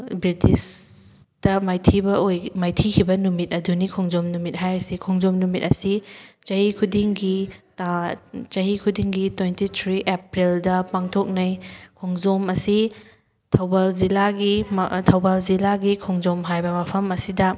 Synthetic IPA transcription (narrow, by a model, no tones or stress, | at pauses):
bɾitis | tɐmajtʰibɐojmajtʰikʰibɐnumit̚ɐdunikʰoŋzomnumit̚ɦajɾɐsikʰɔŋzomnumit̚ɐsit͡ʃɐhikʰudiŋɡitat͡ʃɐɦikʰudiŋɡitojntitʰɾiʔepɾildɐpaŋtʰok̚nɐjkʰoŋzomɐsi | tʰɐwbalzilaɡimtʰɐwbalzilaɡikʰoŋzomɦajbɐmɐpʰɐmɐsidɐ